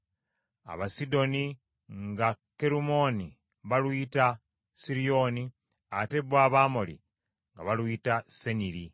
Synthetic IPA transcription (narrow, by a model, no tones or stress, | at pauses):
a̰βasido̞ni | ŋɡake̞ɾumo̞ni | βalwita | siɾijo̞ːni | ate̞βwaβaːmo̞lḭ | ŋɡa̰βalwitase̞niɾi